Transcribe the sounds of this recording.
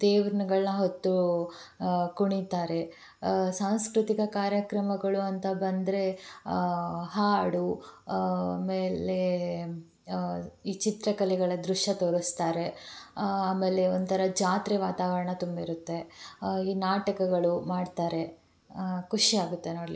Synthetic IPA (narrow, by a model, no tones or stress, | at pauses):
t̪eːʋɾɐnɐɡɐɭnɐɦot̪ːu | kuɳit̪aːɾe̞ | saːw̃skɾut̪ikɐkaːɾjɐkɾɐmɐɡɐɭuɐnt̪ɐbɐnd̪ɾe̞ | ɦaːɽu | meːle | iːt͡ʃit̪ɾɐkɐlɛɡɐɭɐd̪ɾuʂjɐt̪oːɾɐst̪aːɾe̞ | aːme̞ːle̞ond̪t̪ʰɐɾɐd͡ʒaːt̪ɾɛʋaːt̪aːʋɐɾɐɳɐt̪umbɐiɾut̪ːe̞iːnaːʈɐkɐɡɐɭumaːɖt̪aːɾe̞ | kuʂiaːɡut̪ːenoːɽlḭ